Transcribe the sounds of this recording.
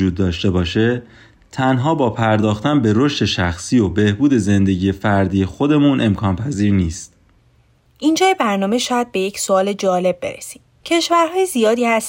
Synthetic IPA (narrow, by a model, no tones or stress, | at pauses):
uːd̪ːɒːʃt̪e̞bɒːʃe̞ | t̪ʰænɦɒːbɒːpʰæɾd̪ɒːxt̪ænbe̞ɾoʃt̪e̞ʃæxsiːobe̞hbuːd̪e̞ze̞nd̪e̞ɟije̞fæɾd̪iːjexod̪e̞munʔe̞mkʰɒːnpʰæziːɾniːst̪̚ | ʔind͡ʒɒːjebæɾnɒːme̞ʃɒːjæd̪̚be̞jecsoɒːle̞d͡ʒɒːle̞b̚ːe̞̰ɾesi̥ːm | cʰe̞ʃvæɾɦɒːjezijɒːd̪iːhæs